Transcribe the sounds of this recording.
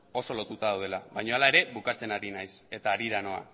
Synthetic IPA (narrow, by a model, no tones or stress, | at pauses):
o̞so̞lo̞t̪ut̪aðawðe̞laβajɲo̞alae̞ɾe̞βukat͡se̞naɾinajse̞t̪aːɾiɾano̞a̰